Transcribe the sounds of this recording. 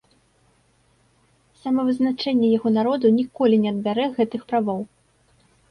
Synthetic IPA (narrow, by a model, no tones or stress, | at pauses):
sɐmɐvɨznat͡ʂɛnʲːɛjaɣɔnaɾɔd̪unʲikɔlʲinʲɛɐd̪̚bʲaɾɛɣɛt̪ɨxpɾavɔw